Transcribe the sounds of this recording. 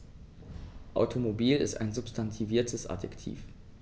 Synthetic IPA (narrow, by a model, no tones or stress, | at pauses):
ʔa̰ʊtʰomobiːlɪ̰sta̰ɪnzʊpstʰantʰiviːɐtʰəsʔa̰dɛ̰ktʰḭːf